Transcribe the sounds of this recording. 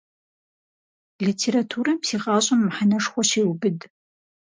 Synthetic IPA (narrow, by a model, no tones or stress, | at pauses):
litʰeɾatʰuːɾɐpsiːʁaːɕʼɐmːħanɐʂχʷɔʃeːwbɨd